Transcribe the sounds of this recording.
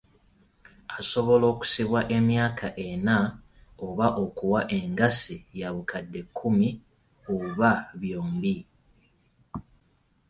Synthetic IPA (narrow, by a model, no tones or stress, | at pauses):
aso̞βo̞lo̞ːku̥siβwaʔe̞mjaːkʰaʔe̞na | oβaʔo̞kuwaʔe̞ŋɡasijaβukʰadːe̞kʰːumi | oβaβjoːmbi